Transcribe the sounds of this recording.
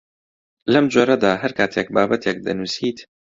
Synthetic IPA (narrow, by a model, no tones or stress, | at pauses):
lɐmd͡ʒoːɾɐd̪aːɦɐɾkaːt̪ʰek̚baːbɐt̪ʰek̚d̪ɐ̰nusiːt̪